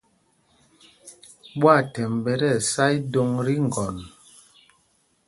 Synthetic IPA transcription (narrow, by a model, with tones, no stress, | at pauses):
ɓwa˦˨tɛ˨mbɛ˨ɾɛ˦˨sa˦jdo˦ŋɾi˦ŋ˨ɡɔ˨n